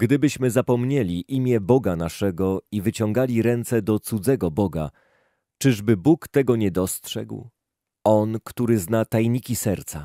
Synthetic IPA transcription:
ɡd̪ɘbɘɕmɘzapɔmɲelʲiʔimʲjɛbɔɡanaʂɛɡɔivɘt͡ɕɔŋɡalʲiɾɛnt̪sɛd̪ɔt̪sud̪zɛɡɔbɔɡa̰ | t͡ʂɘʐbɘbukt̪ɛɡɔɲɛd̪ɔstʂɛ̰ɡw | ɔnkt̪uɾɘznat̪ajɲikʲisɛɾt̪sa

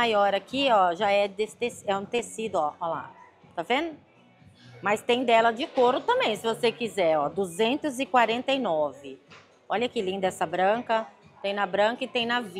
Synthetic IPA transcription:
ajɔɾakʰiɔʒaɛd̪est̪esɛũt̪esid̪ʊɔɔla̰ | t̪avẽnʊ | mɐst̪ẽj̃d̪ɛlɐd͡ʒɪkoɾʊt̪ɐ̃mbẽj̃sɪvosekizɛɔd̪uzẽnt̪ʊzɪkwaɾẽnt̪ɐjnɔvɪ | ɔʎɐkɪlĩd̪ɐɛsɐbɾɐ̃kɐt̪ẽj̃nɐbɾɐ̃kɐɪt̪ẽj̃nɐvi

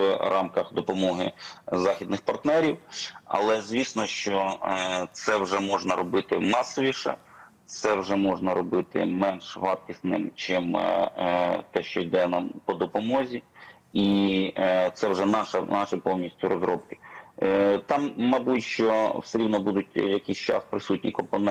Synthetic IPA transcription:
rʔɑmkɐxd̪ɔpɔmɔɦɪzɑxʲid̪nɪxpɐrt̪nɛɾʲiwɐ̰lˠɛzʲʋʲisnɔʃt͡ʃɔ | t̪sɛwʒɛmɔʒnɐɾɔbɪt̪ɪnɑsɔʋʲiʃɐ̰ | t̪sɛwʐɛmɔʒnɐɾɔbɪt̪ɪ̰mɛnʃʋɑt̪̚kʲisnɪ̰mt͡ʃɪm | t̪ɛʃt͡ʃɔjd̪ɛnɐpɔd̪ɔpɔmɔzʲi | i | t̪sɛwʐɛnɑʃɐnɑʃɪpɔwnʲisʲtʲʊɾɔzɾɔp̚kɪ̥ | t̪ɑmːɐbutʲʃt͡ʃɔwseɾʲiwnɔbud̪ʊt̚ʲjɐkʲisʲt͡ʃɑ̰spɾɪsutʲnʲḭkɔmpɔnɛ

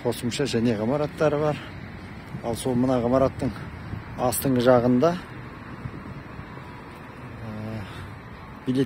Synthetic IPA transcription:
qʰo̞səmʃɑʒæne̞ʁəmɑɾɑt̪ːɑɾəβɑɾ | ɑlˠso̞lˠmənɑʁəmɑɾɑt̪ːəɴ | ɑst̪əɴʁəʒɑʁənd̪ɑ | ə | bile̞

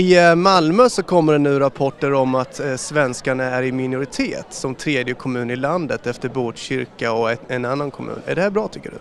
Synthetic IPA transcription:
ɪmalmøːsɔkʰɔmːəɖɛnːʉ̟ːɾapʰɔʈːəɾɔmat̪svɛnskaɳaæɾɪmɪnʊɾɪt̪ʰeːt̪sɔmt̪ʰɾeːd̪jəkʰɔmʉ̟ːnɪland̪ət̪ɛft̪əɾboːʈɕʏɾkaɔɛnanːankʰɔmʉ̟̰ːnæ̰ɖɛhæːbɾɑːt̪ʰʏkːəɖɵ̰

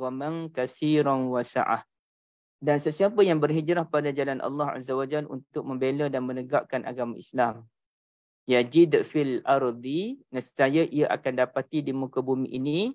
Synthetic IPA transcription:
amaŋkaθiɾanwasa̰ʔa̰h | dansəsiapəjaŋbərɦid͡ʒɾahpadad͡ʒalanʔa̰lːɑha̰zːawad͡ʒalṵnt̪ʊk̚mə̃mbelədanmənəɡaʔkanʔa̰ɡamaislam | jad͡ʒidəfilaɾd̪inasi̥sajaʔiaʔa̰kandapat̪idimukəbumiʔini

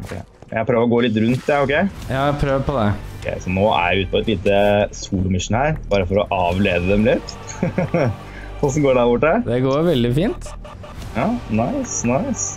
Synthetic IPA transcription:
ʔɔkʰɛ̰mɛnjæpʰɾøːʋəɾɔɡoːlɪt̪̬ːɾʉnt̪̚ːɛɔkʰɛɪjɑːpʰɾøːʋəpɔd̪ɛɔkʰɛ̰ɪsɔnoːæ̰ɾjɪʉːt̪əpɔɛt̪liːt̪əsuːlʊmɪʂnhæːɾbɑːɾəfɔɾɔʔɑːʋleːd̪əd̪ɛmlɪt̪ː | ɔsɔmɡoːɖɑbʊʈːæɾd̪ɛɡoːɾʋɛld̪ɪfiːnt̪ | jɑːnaɪsnaɪs

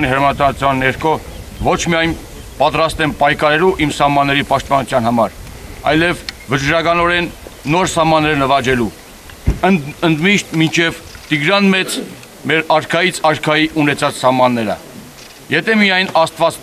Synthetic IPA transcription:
niɦəɾmɑnt̪ɑnut͡s̪ʰjɑnːɛɾkʰɔ | vɔt͡ʃʰmijɑjn | pɑt̪ɾɑst̪ɛnpɑjkʰɑɾɛluʔimsɑhmɑnːɛɾipɑʃt̪̚pɑnut̪ʰjɑn̪ɦɑmɑɾ | ɑ̰jlɛvːət͡ʃɾɑkɑnɔɾɛnːɔɾsɑhmɑnːɛɾnəvɑd͡ʒɛlu | əənd̪miʃt̪mint͡ʃʰɛvt̪iɡɾɑnmɛt͡s | mɛɾɑɾkʰɑjit͡sʰɑɾkʰɑjiʔunɛt͡sʰɑt͡ssɑhmɑnːɛɾə̰ | jɛt̪ʰɛmiɑjnɑst̪vɑt͡s

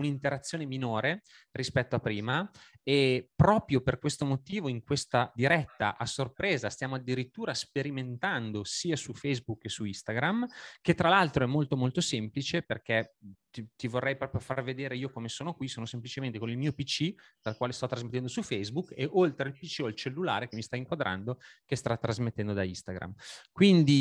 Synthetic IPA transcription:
unint̪eɾat̪sːjoːneminoːɾe | rispɛt̪ːoapːɾiːma | epɾɔːpɾjoperkwest̪omot̪iːvoiŋkwest̪ad̪iɾɛt̪ːa̰ʔasorpɾeːzast̪jaːmoad̪ːiɾit̪ːuːɾaspeɾiment̪and̪osiːasufɛjzbukːesuist̪aɡɾamk̟et̪ːɾalalt̪ɾoɛmːolt̪omolt̪osemplit͡ʃeperket̪it̪ivorːɛjpɾɔːpɾjofarved̪eːɾeiːokomesoːnokwisoːnosemplit͡ʃement̪ekonilmiːopit͡ʃid̪̥alkwaːlest̪ɔt̪ːɾazmet̪ːɛnd̪osufɛjzbukːeʔolt̪ɾeilpit͡ʃːiolt͡ʃelːula̰ːɾekemist̪aiŋkwad̪ɾʔa̰nd̪okest̪ɾat̪ːɾazmet̪ːɛnd̪od̪aist̪aɡɾa̰mkwind̪i

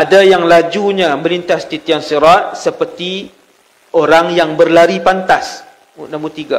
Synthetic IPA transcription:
ʔadajaŋlad͡ʒuɲãmə̃lint̪ast̪it̪iansiɾat̪̚səpərt̪i | oɾaŋjaŋbərlaɾipant̪as | munãmbut̪iɡa

